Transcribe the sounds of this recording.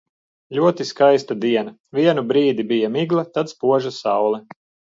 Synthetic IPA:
lʲuɔt̪iskajst̪ad̪iɛna | vʲiɛnubɾiːd̪ibijamiɡlˠat̪at̪spuɔʒasawlˠɛ

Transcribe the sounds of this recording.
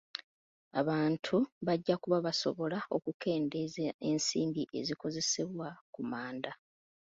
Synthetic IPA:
aβaːntʰuβaɟːakuβaβaso̞̰βo̞lao̞kuke̞ːndezensiːmbiʔe̞̰ziko̞ze̞se̞βwakumaːnda

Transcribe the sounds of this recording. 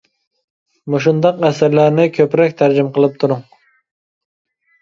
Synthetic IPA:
moʃ̬und̪ɑqæsɪɾlæɾnɪkʲʰøpɾɛkʲt̪ʰæɾd͡ʒimqəlˠɨp̚t̪ʰuɾʊŋ

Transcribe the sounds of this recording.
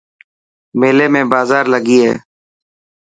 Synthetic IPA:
meːleːmẽːbaːzaːɾləɡiːɦɛ̰ː

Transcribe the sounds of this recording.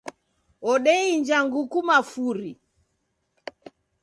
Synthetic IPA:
ɔɗɛind͡ʒaŋɡukumafuɾi

